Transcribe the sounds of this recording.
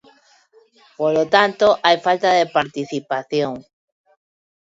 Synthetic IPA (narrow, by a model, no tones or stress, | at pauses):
polot̪ant̪oʔajfalt̪aðepaɾt̪iθipaθjoŋ